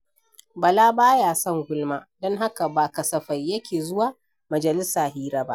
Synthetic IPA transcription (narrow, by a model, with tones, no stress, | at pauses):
bɐ˨laː˦baː˦jaː˨sɔ˦ŋɡʷʊ˦lmaː˦dɔ˦ŋɦa˦ka˨baː˨kɐ˨sɐ˨ɸa˨jːɐ˦kʲeː˨zʊ˦waː˨ | mɐ˨d͡ʒɐ˨lɪ˦saː˨hiː˦ɾaː˦ba̰˦ʔ